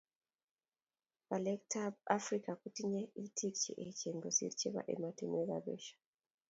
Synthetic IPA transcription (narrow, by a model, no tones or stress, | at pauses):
palektʰabafrikakutiɲeitʰikt͡ʃḛʔet͡ʃeŋɡosḭɾit͡ʃeβa̰ʔḛmatimeɣa̰ɓḛʃḁ